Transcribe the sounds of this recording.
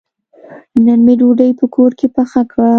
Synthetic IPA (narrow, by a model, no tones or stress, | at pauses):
nanmeɖuɖəjpəkʰoɾkepaxakɽa